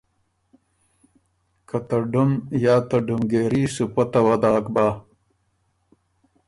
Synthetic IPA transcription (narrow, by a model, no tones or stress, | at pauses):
kɐt̪ɐɖumjaːt̪ɐɖumɡeːɾiːsupɐt̪ɐwɐd̪aːkbaː